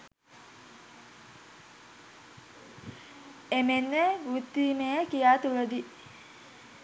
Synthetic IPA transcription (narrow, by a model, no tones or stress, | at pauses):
emenːeʋut̪ːimejəkijaːt̪uləd̪i